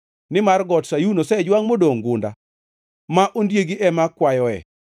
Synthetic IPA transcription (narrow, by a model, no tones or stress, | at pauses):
nɪmarɡɔtsajunosɛd͡ʒwaŋmodoŋɡʊnda̰ | maʔondjeɡiʔɛmakwajɔɛ̰